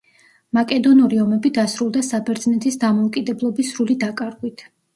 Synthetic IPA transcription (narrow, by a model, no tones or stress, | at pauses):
makʼɛd̪ɔnuɾiɔmɛbid̪asɾulˠd̪asabɛɾd̪znɛt̪ʰisd̪amɔukʼid̪ɛblˠɔbisːɾulid̪akʼaɾɡwit̪ʰ